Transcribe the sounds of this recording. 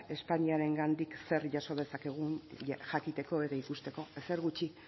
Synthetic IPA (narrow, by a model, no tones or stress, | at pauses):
e̞spaɲiaɾe̞ŋɡand̪ikse̞ɾʝaso̞ð̞e̞sake̞ɣ̞unʝakit̪e̞ko̞et̪aikust̪e̞ko̞ese̞ɾɣut͡ʃi